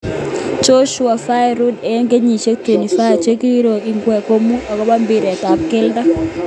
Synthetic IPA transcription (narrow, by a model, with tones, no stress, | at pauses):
t͡ʃo˦ʃʊ˦a˨fa˦ɛ˦ɾu˦de˨˦ŋɡe˦ɲi˨t͡ʃe˦ke˨ni˨fa˦a˨t͡ʃe˦ki˦ɾo˨i˨ŋɡwɛ˨ko˦mu˦a˨kɔ˦ba˦mbi˨ɾɛ˨t̪a˨p̚kɪ˦lda˦